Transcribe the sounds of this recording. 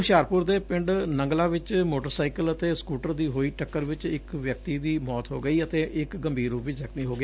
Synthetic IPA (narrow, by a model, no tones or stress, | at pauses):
ʃaːɾpʊɾd̪eːpɪ̃ɳɖnə̃ŋɡlaːʋɪt͡ʃmoːʈəɾsaːikələt̪eːskuːʈəɾd̪iːɦoːiːʈəkːəɾʋɪt͡ʃɪkʋjək̚t̪iːd̪iːmɔːt̪ɦo̰ːɡəiːət̪eːʔɪkɡəmbʱiːɾuːpʋɪt͡ʃzəkmiːɦoːɡɪa